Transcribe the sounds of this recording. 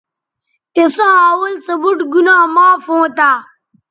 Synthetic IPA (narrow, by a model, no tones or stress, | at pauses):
kesaaːwɐlt͡sɐbuʈɡunaːmaːfõːt̪aː